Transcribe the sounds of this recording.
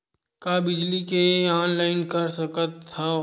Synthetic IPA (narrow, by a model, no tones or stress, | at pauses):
kabɪd͡ʒlikeaːnlaːɪnkɐɾsɐkət̪ʰːa